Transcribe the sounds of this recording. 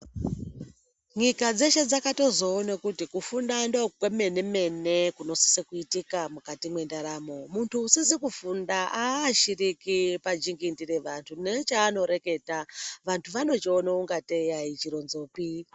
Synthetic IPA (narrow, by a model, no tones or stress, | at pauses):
ɲikad͡ze̞ʃe̞d͡zakato̞zo̞ːnakutikufundandokweme̞ne̞me̞nekuno̞si̥sikuitikamukatimwe̞ndaɾamo̞muntʰuːsisikufundaʔaːʃirikipad͡ʒiŋɡindiriʋantʰunet͡ʃaːno̞ɾe̞ke̞taʋantʰuʋano̞t͡ʃeonauŋɡatejait͡ʃiɾo̞nzo̞ːpi